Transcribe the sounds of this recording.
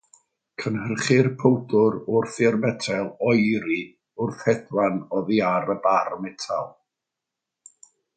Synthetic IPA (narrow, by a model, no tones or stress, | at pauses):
kʰənhərχɪrpʰowdʊɾʊrθɪɔrmɛtʰɛlˠɔjɾi | ʊrθɛdwanɔðiaɾəbaɾmɛtʰa̰lˠ